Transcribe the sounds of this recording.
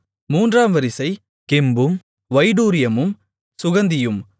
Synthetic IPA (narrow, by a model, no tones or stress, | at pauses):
muːndraːmʋɐɾɪsɐɪ | kɪmbɯm | ʋɐɪɖuːɾɪjɐmɯm | sʊɣɐnd̪ɪjɯm